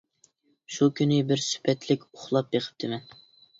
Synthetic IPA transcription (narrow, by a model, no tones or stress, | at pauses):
ʃukʲʰynɪbɪɾsy̥pʰɛt̪ʰlɪkʲoχlˠɑp̚beqʰə̥p̚d̪ɪmɛn